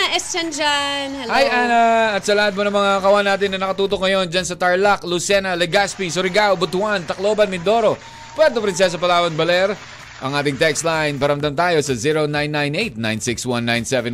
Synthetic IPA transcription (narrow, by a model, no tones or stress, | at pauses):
ʔɛst͡ʃɐnd͡ʒanhɐajʔanaɐt̪sɐlahad̪̚monɐŋmɐŋakɐwanːaːt̪ɪnːɐnɐkɐt̪uːt̪ok̚ŋɐjo̞nd͡ʒɐnsɐt̪ɐɹlak̚lusɛnɐlɛɡaspisʊɾɪɡawbʊt̪want̪ɐk̚lo̞ːbɐnmɪnd̪o̞ɾo̞ | pwɛɾt̪opɐɾins̬ɪlasɐpɐlaːwɐnbɐlɛɾ | ʔɐŋʔaːt̪ɪŋt̪ɛkst̪lajnpɐɾɐmd̪ɐmt̪aːjo̞sɐziɾonajnːajnʔejt̪̚na̰jnsɪkswãnːajnsɛvɛn